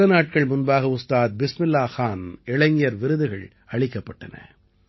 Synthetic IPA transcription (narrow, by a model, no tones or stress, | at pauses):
ɐnaːʈ̚kɐɭmʊnbaːɣɐʊst̪aːt̪̚bɪsmɪlːaːxaːnɛɭɐŋɪjɐɾʋɪɾɯðɯɣɐɭ | ɐɭɪkːɐpːɐʈːɐnɐ̰